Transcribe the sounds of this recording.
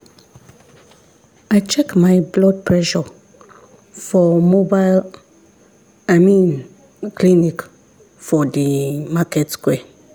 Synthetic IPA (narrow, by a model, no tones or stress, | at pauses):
ajt͡ʃɛkmajblɔd̚pʰɹɛʃɔ | fɔmobajl | amĩn | klinik | fɔdimakɛtskwɛ